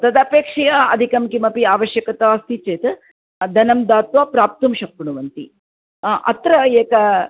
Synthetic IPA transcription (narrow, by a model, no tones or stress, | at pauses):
t̪ɐd̪ɐpeːkʂɐjɐɐ̰d̪ʱikɐmkimɐpiaːʋɐʃjɐkɐt̪aːst̪it͡ʃeːt̪ɐ | d̪ɐnɐmd̪aːt̪ʋaːpɾaːp̚t̪umʃɐk̚puɳuʋɐnt̪i | ʔɐ̰t̪ɾɐeːkɐ